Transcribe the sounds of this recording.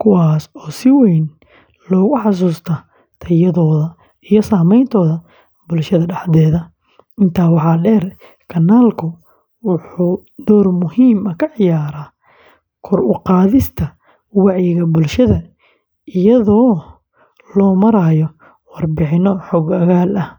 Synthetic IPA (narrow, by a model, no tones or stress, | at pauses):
kʰʊwɑːsɔːsɪwɛjn | lɔːɣʊħɑs̬uːst̪ʰɐ | t̪ʰɐjɐðɔːðɐ | ijɔsaːmɛjnt̪ʰɔːðɐ | bʊlʃɐðɐɖɑħðɛːðɐ | ɪnt̪ʰaːwɑħɑːɖɛːr | kʰɐnːaːlkʰʊ | wʊħuː | d̪̥ɔːrmʊhiːmɐkʰɐʕɪjaːɾaː | kʰɔrʊqɑːðɪst̪ʰɐ | wɑʕjɪɣɐbʊlʃɐðɐ | ʔɪjɐðɔː | lɔːmɐɾaːjɔ | wɑrbɪħɪnɔħɔːɡɐɣaːlʔɐ